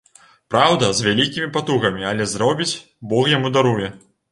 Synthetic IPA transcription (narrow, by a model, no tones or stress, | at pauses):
pɾawd̪ɐzʲvʲalʲikʲimʲipat̪uɣɐmʲiɐlʲɛzɾɔbʲit͡sʲ | bɔxjamud̪aɾujɛ